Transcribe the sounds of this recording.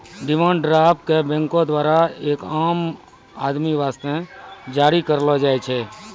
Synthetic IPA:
ɖɪmãːɳɖɾaːbkebɛ̃ŋkõd̪ʋaːɾaeːkaːm | ad̪miʋaːst̪ẽd͡ʒaːɾikəɾlod͡ʒaːjt͡ʃʰe

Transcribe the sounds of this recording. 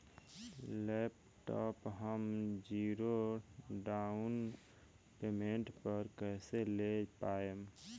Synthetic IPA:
lɛp | ʈɔːpɦəmd͡ʒiɾoɖaun | pemeɳʈpəɾkɛɪselepaːem

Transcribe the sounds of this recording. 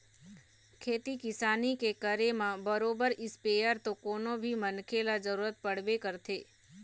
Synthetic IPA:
kʰeːt̪ikɪsaːnikekəɾemãbəɾoːbəɾɪspejəɾt̪okoːnõbʱimənkʰelad͡ʒəɾuːɾət̪̚pəɽ̤ʋekəɾt̪ʰeː

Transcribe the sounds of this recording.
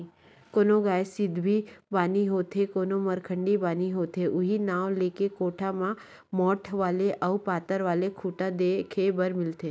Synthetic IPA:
konoɡaːjesɪd̪ʱbʱibaːniɦoːt̪ʰekonoməɾkʰəɳɖibaːniɦoːt̪ʰeʔʊɦinaːʋlekekoːʈʰamã | mɔːʈʰʋaːleʔəʋpaːt̪əɾʋaːlekʰuːʈad̪ekʰebəɾmɪlt̪ʰe

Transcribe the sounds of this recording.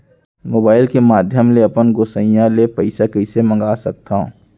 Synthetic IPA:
moːbaːɪlkemaːd̪ʱjəmleɐpənɡosə̃jãlepəɪsakɛɪsemɐ̃ŋɡaːsɐk̚t̪ã

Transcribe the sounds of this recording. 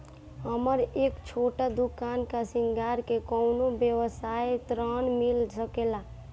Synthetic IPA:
ɦəməɾeːkt͡ʃʰoːʈad̪ukaːnkasɪŋɡaːɾkekɔʊnobjəwəsajt̪ɾənmilsəkela

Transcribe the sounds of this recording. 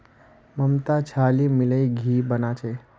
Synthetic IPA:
məmt̪at͡ʃʰaːlimɪləjɡʱiːbənaːt͡ʃʰe

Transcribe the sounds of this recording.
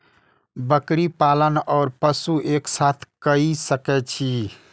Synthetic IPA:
bəkɾipalənɔːɾpəsuʔeksat̪ʰkəisəkɛt͡ʃʰi

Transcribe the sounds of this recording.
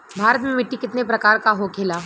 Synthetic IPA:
bʱaːɾət̪mẽmɪʈːikɪt̪nepɾɐkaːɾkaɦokʰeːlaː

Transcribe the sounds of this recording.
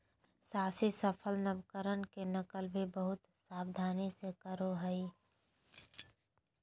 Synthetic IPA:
saːsisəpʰəlnəbkəɾənkenəkəlbʱibəɦʊt̪saːbd̪ʱaːnisekəɾoɦəi

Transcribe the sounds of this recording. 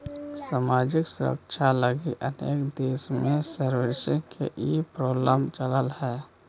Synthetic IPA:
samaːd͡ʒɪksʊ̰ɾə̰kt͡ʃʰaləɡiʔənḛːkd̪eːsmẽsəɾwɪɾsəkʰḛʔipɾoːbləmt͡ʃələlhɛː

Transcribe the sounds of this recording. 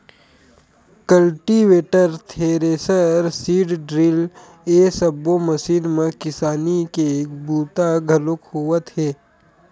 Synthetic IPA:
kəlʈiʋeːʈəɾt̪ʰeːɾeːsəɾsiːɖɖɾɪl | eːsəbːoməsiːnmẽkɪsaːnikeːkbuːt̪aɡʱɐlʊkhuət̪ɦeː

